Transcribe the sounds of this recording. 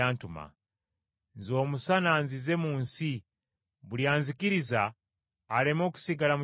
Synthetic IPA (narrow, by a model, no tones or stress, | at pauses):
aːntuma̰ | nzo̞ːmusanaːnzize̞muːnsi | βuljaːnzikiɾizaː | lemo̞ːku̥siɡalamu